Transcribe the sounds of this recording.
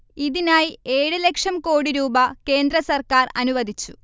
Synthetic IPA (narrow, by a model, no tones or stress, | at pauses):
iðinaːjie̞ːɻɨle̞kʂɐmko̞ːɽiɾuːbɐke̞ːnd̪ɾɐsɐrkaːrɐnuʋɐd̪ʱit͡ɕːu̥